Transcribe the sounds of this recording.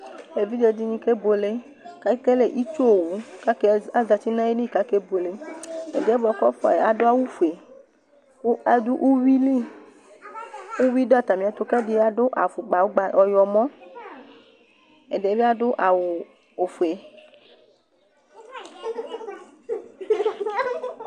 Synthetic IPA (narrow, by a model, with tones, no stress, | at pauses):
e˨vi˦d͡ʒe˨d͡ʒi˦ɲĩ˦ke˦bo˨le˦ | ka˦i˦ke˦le˨ʔi˦t͡ʃo˦o˨wu˨˦ka˦ke˦a˦za˨t͡ʃi˦nã˦je˦ni˦˨ka˦ke˦bo˨le˨e˨de˨˦e˦bɔ˨˦kɔ˦fɔ̰˨je˨a˨do˦a˦wu˦fu˨e˨˦ | a˦du˦ʔu˦wi˦li˦ | u˦wi˦do˦a˨t̪a˨mĩ˨a˨t̪o˨ka˦di˨˦a˦do˦ʔa˨fu˨ɡ͡ba˨wo˦ɡ͡ba˨ɔ˨jɔ˨mɔ̃˦ | e˨de˨˦be˦a˦do˦ʔa˨wo˨ | o˨fu˨e˨